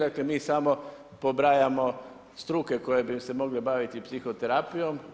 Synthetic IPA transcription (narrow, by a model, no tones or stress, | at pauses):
akle̞miːsamo̞ | pobɾaːjamo̞ | st̪ɾuke̞ko̞je̞bise̞mo̞ɡlebaʋit̪ipsixot̪eɾaːpijo̞m